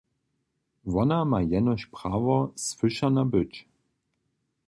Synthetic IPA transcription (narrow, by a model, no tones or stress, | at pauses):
vɔnamajɛnɔɕpʁaːvɔsfɘʃanabʏt͡ʃ